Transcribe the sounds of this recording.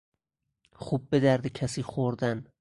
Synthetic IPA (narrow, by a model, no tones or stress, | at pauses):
χub̚bed̪æɾd̪ecʰæsiːχoɾd̪æn